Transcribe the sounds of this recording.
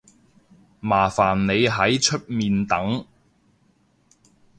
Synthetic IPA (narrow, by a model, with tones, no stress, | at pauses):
maː˨˩faː˨˩nːe˨˧jɦɐ˨˥jt͡ʃʰɵ˥t̚miː˧nt̪ɐ˨˥ŋ